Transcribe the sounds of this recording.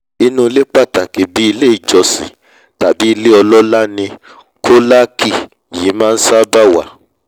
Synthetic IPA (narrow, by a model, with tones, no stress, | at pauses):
i˧˦nũ˧le˦k͡pa˦˨ta˨ki˨bi˨˦i˧le˦i˨d͡ʒɔ˧sḭ̃˨ | ta˨bi˨˦i˧le˦ɔ˧lɔ˦la˦nĩ˧ | kʰo˦la˦kʰi˨ | jiː˨˦mãː˦˧n̩˦sa˦ba˦wa˨